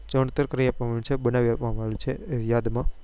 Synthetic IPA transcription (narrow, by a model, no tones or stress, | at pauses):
t͡ʃəɳt̪əɾkəɾiapʋamaũt͡ʃʰebənaʋiapʋamalũt͡ʃʰejad̪mã